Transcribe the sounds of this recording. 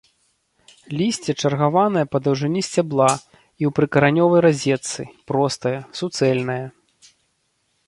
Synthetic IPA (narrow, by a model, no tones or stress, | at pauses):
lʲisʲt͡sʲɛt͡ʂɐrɣavanɐjɐpɐd̪ɐwʐɨnʲisʲt͡sʲablˠa | iwpɾɨkɐɾanʲɔvɐjɾazʲɛt̪sɨ̰pɾɔst̪ɐjɐsut̪sɛlʲnɐjɐ